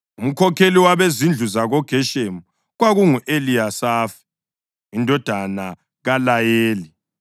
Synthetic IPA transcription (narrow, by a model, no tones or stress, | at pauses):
um̩kʰɔkʰeliwaβezind͡ɮʱuzaɣɔɡ̥ʱɛʃemu | ɣwaɣuŋuʔeliasaːfi̥ | indʱɔd̥ʱana | ɣalajeːli